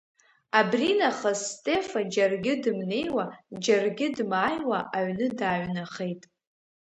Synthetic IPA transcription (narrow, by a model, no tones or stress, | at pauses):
abrinaχazstʼe̞fad͡ʒarɡʲɪdɨmne̞jwad͡ʒarɡʲɪdmaːjwaʔaɥnɨdaːɥnaχejtʼ